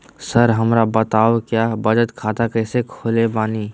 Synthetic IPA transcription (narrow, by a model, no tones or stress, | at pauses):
səɾɦɐmɾabət̪aːokjaːbɐd͡ʒət̪kʰaːt̪akɐɪsekʰoːlebaːniː